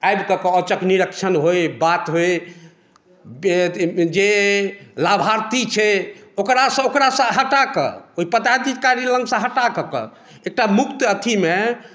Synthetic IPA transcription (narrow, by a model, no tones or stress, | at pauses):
ajbkəkɔət͡ʃəkniɾəkt͡ʃʰənɦojbat̪ɦoj | d͡ʒe | labʱaɾt̪it͡ʃʰɛokɾasə̃okɾasə̃ɦəʈakə̰oɦipəd̪aɾt̪it̪̚kaɾilə̃ŋɡsə̃ɦəʈakəkə̰ | ek̚ʈamukt̪ət̪ʰime